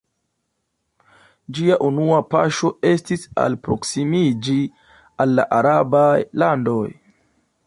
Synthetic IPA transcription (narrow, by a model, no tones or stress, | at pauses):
d͡ʒiaʔunuapa̰ʃo̞e̞stisa̰lpɾo̞̰ksimid͡ʒi | alːaʔaɾabajlando̞j